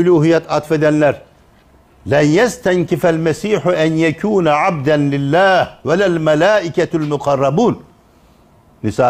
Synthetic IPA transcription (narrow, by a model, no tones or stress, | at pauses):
ʊluːɦijːat̪ʔat̪fad̪anːaɾ | lanjast̪aŋkɪfalmasiːħʊʔanjakʰuːnaʕab̚d̪anlɪlːaːhwalalmalaːʔɪkalmʊqɑrˤːɑbuːn | ɪsaː